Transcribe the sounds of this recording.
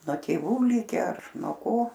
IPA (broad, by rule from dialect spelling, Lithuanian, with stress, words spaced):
nuɔ ˈtʲeːʋuː ˈlʲɪkʲɛ ɐr nuɔ ˈkoː